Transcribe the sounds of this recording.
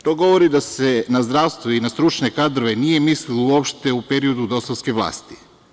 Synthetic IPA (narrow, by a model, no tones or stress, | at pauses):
t̪o̞ɡo̞ʋoɾid̪asenazd̪ɾaːʋst̪ʋoinast̪ɾut͡ʃne̞kad̪ɾo̞ʋe̞nije̞mislilouopʃt̪e̞upe̞ɾio̞d̪ud̪o̞saskeʋlˠa̰ːst̪i